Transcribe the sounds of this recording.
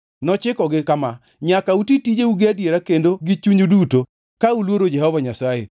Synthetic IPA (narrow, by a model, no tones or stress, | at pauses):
nɔt͡ʃɪkɔɡɪkama | ɲakautitid͡ʒeuɡɪadjeɾakendoɡɪt͡ʃuɲoduto | kaulwoɾod͡ʒɛhɔvaɲasaḛ